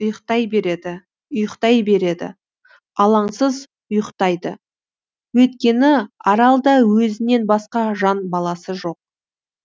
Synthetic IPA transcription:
ʊjəqt̪ɑjbe̞ɾe̞d̪ɪ | ʊjəqt̪ɑjbe̞ɾe̞d̪ɪ̰ | ɑlˠɑɴsəz | ʊjəqt̪ɑjd̪ə̰ | wɵt̪kʲe̞nɪɑɾɑlˠd̪ɑwɵzɪne̞nbɑsqɑʒɑnbɑlˠɑsəʒo̞q̚

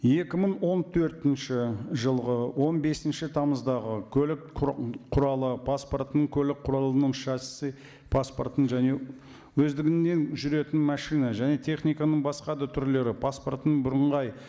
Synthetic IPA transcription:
je̞kʲɪməɴwo̞nt̪ʰɵɾt̪ɪnʃɪʒəlˠʁəwo̞nbe̞sɪnʃɪt̪ʰɑməzd̪ɑʁəkʲʰɵlɪkqʰʊɾɑlˠəpʰasport̪ənəɴkʲʰɵlɪk̚qʰʊɾɑlˠənəɴʃɑsɪ̥sɪ | pʰaspo̰rt̪ənʒæne̞ | wɵzd̪ɪɡʲɪnːe̞nʒʏɾe̞t̪ɪnmɑʃijnɑʒæne̞t̪ʰe̞χnijkɑnəɴbɑsqɑd̪ɑt̪ʰʏɾle̞ɾɪpʰasport̪ənbʊɾəɴʁɑj

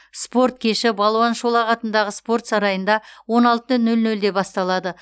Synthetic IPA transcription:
spo̞rt̪̚kʲʰe̞ʃɪbɑlˠwɑnʃolˠɑʁɑt̪ənd̪ɑʁəspo̞rt̪sɑɾɑjənd̪ɑwo̞nɑlˠt̪ənɵlnɵld̪e̞bɑst̪ɑlˠɑd̪ə

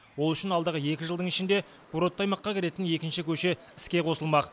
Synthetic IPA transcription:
wo̞lˠʏʃɪnɑlˠd̪əʁəje̞kʲɪʒəlˠd̪əɴɪʃɪnd̪e̞ | kʰuɾot̪ːɑjmɑqːɑkʲʰeɾe̞t̪ɪnje̞kʲɪnʃɪkʲʰɵʃe̞ | ɪskʲe̞qʰo̞səlˠmɑq

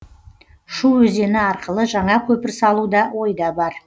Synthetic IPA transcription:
ʃuwɵze̞nɪɑɾqəlˠəʒɑɴɑkʲʰɵpɪɾsɑlˠud̪ɑwo̞jd̪ɑbɑɾ

